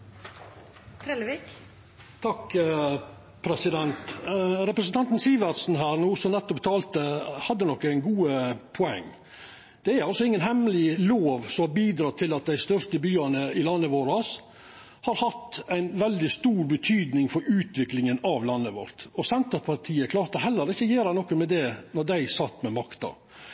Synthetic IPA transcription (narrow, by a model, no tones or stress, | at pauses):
t̪ʰɾɛlʋik | t̪ʰɑk | pʰɾɛsɪd̪ɛnt̪ɾɛpɾəsən̩t̪ʰɑnt̪n̩siːʋɑdsn̩ɦæːɾnuːsɔnɛt̪ːɔpt̪ʰɑːlt̪əhɑd̪ːənɔkːæɪnɡuːəpʰɔɛ̰ŋː | d̪̥ɛæɾɑlsɔɪŋːənɦɛmlɪloːʋsɔmɑɾbiːd̪ɾɑːt̪ʰɪlɑt̪̚d̪æɪst̪œʂt̪əbyːɑnəɪlɑnːəʋoːɾɑs | hɑɾhɑt̪æɪnʋɛld̪ɪst̪uːɾbət̪ʰyːd̪nɪŋfɔɾʉːt̪ʋɪklɪŋənɑʋlɑnːəʋɔ̰ɾt̪ɔsɛnt̪əpʰɑɾt̪ʰiːəkʰlɑːɾt̪əɦɛlːəɾɪçːəjeːɾæɪnɔkːəmɛd̪ɛnɔɖ̪æɪsɑt̪ːmɛmɑkt̪ɑ̰